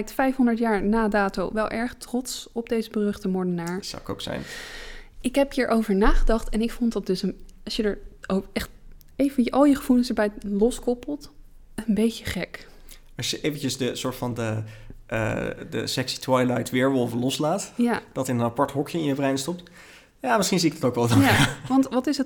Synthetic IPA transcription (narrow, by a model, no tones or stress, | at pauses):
ɛjk̚tfɛjfɦɔndəɹtjaːɹnaːdaːtowʋɛlˠʔɛɹχtrɔtsɔb̚dejzəbərɵχtəmɔɹdənaːɹsa̰wɪko̰wksɛ̰jn | ɪkɦɛpɦiːɹʔowvəɹnaːχədɑχtɛnɪkfɔndɑt̚d̥ɵsənɑʃjədəɹoɛχt | ejvənʔɑlˠjəχəv̥ulənɪsəɹbɛjlɔskɔpəlˠt | ənbejtəχɛk | ɑʃjəʔejvəncəsdəsʊːɹtfɑndəə̰də̰sɛksi̥twajlajtʋɪːɹʋɔlˠvəlɔslaːtjad̥ɑtənənapɑɹtɦɔkjəɪ̃jəvrɛjnstɔp̚t | jaːmɪsχinziɪkdɑtowkʋɛlˠdɑjaʋɑntʋɑtɪsət